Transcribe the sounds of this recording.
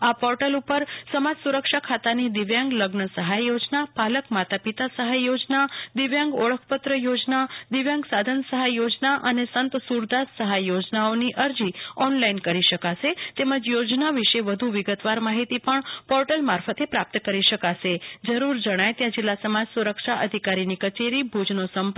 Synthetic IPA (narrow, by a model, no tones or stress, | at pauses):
apɔɾʈəlupəɾsəmad͡ʒsuɾəkʃakʰat̪anid̪ɪʋjãŋɡləɡnəsəɦajːod͡ʒnapaləkmat̪apit̪asəɦajjːod͡ʒnad̪ɪʋjãŋɡɔɭəkʰpət̪ɾəjod͡ʒnad̪ɪʋjãŋɡsad̪ʱənsəɦajjod͡ʒnaʔənesənt̪suɾd̪assəɦajːod͡ʒnaoniʔəɾd͡ʒiɔnlainkəɾiʃəkaʃet̪eməd͡ʒjod͡ʒnaʋiʃeʋəd̪ʱuʋɪɡət̪ʋaɾmaɦit̪ipəɳpɔɾʈəlmaɾfət̪epɾap̚t̪kəɾiʃəkaʃed͡ʒəɾuɾd͡ʒəɽ̃ajt̪jãd͡ʒɪlːasəmad͡ʒsuɾəkʃaʔəd̪ʱikaɾinikət͡ʃeɾibʱud͡ʒnosəmp